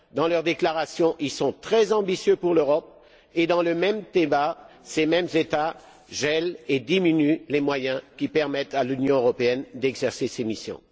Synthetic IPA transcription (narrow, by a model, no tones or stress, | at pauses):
d̪ɑ̃lœʁd̪eklaʁasjɔ̃ʔilsɔ̃t̪χɛzɑ̃bisjøpuʁløʁɔp̚ | ed̪ɑ̃ləmɛmt̪eba | semɛmzet̪a | ʒɛled̪iminylemwajɛ̃kʲipɛʁmɛt̪alynjɔ̃øʁɔpeɛnd̪ɛɡzɛʁsesemisjɔ̰̃